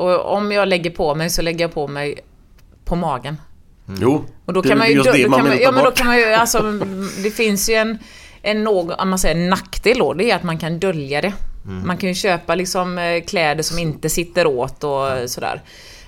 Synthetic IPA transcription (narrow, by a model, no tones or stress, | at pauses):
ɔɔ̰mjɑːɡlɛɡːəɾpʰɔmɛjsɔlɛɡːəjɑpʰɔmɛj | pʰɔmɑːɡən | jɔd̪ɔkʰanmanjəanjɑːmɛnd̪ɔkʰanmanjɵalsɔd̪ɛfɪnsjɵɛn | ʔɛnːoːɡɔʔɔ̰mansɛjːɾɛnːakːt̪ʰɪld̪o̰d̪ɛɾʊat̪mankʰand̪œljad̪ɛmankʰanjɵɕøːpalɪksɔmkʰlɛːd̪əʂɔmɪnt̪əsɪt̪ːəɾoːt̪ɔsɔd̪æ̰ːɾ